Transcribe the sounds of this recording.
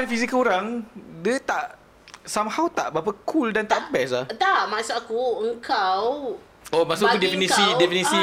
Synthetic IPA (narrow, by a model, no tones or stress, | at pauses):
anfizikəuɾaŋdət̪aʔ | samhawt̪a̰ʔbapakʰuldant̪aʔbɛslaht̪aʔmãsaakuəŋkʰaw | omaʔsudɛfinisidɛfinisi